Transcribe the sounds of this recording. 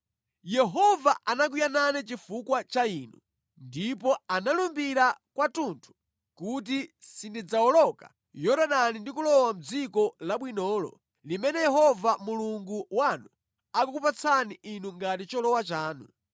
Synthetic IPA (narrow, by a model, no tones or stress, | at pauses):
jɛɦɔvaʔanak̬ijananɛt͡ʃifukwat͡ʃainu | ndipɔanalumbiɾakwatuntʰu̥ | kut̬isindid͡zaɔlɔka̰ | jɔɾaɗanindikulɔwam̩d͡zikɔlaɓwinɔːlɔ̰ | limɛnɛjɛɦɔvamuluŋɡuwanu | akuk̬upat͡sʰaniʔinuŋɡatit͡ʃɔlɔwat͡ʃaːnṵ